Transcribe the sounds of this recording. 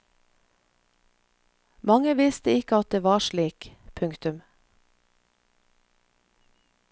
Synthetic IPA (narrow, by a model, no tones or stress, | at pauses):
mɑŋəʋɪst̪əɪkəɑt̪̚d̪eːʋɑːʃɭiːkpʰʉŋkt̪ʉm